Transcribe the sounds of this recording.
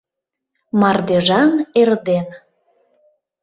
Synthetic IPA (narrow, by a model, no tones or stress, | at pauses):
mɑrd̪eʒɑnerd̪en